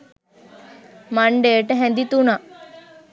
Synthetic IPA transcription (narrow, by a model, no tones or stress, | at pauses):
maɳɖeːʈəɦɛnd̪it̪unaʔ